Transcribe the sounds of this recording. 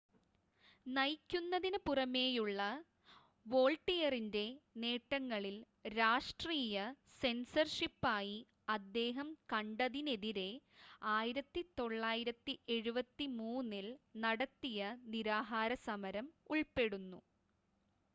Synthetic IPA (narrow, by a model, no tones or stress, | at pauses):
nɐjkʲːunːɐðinɨpurɐme̞ːjuɭːɐ | ʋo̞ːɭʈːijɐrinde̞ne̞ːʈːɐŋːɐɭil | ɾaːʂʈriːjɐ | se̞nsɐrʂipːaːji | ɐd̪ːe̞ːɦɐmkɐɳɖɐðine̞ðiɾe̞aːjiɾɐt̪ːit̪o̞ɭːaːjiɾɐt̪ːiʔe̞ɻubɐt̪ːimuːnːilnɐɽɐt̪ːijɐniɾaːɦaːɾɐsɐmɐɾɐmuɭpe̞ɽunːṵ